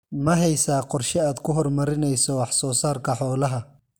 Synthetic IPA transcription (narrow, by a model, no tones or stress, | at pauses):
mɐɦɛjsaːqɔrʃɛaːd̪kʰʊɦɔrmɐɾɪnɛjsɔwɑħsɔːsaːrkʰɐħɔːlɐɦɐ